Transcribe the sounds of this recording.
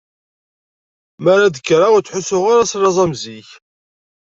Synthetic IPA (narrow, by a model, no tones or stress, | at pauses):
mæɾaðəkːɾat͡sːħʊsːʊʁaɾasɾɑzˤɑmziç